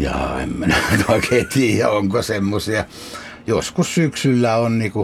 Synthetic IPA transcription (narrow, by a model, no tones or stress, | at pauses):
jɑ̰ːḛmmænænɑkʰet̪iːjæ̰oŋkosemːosiɑ | joskussyksylːæonniːku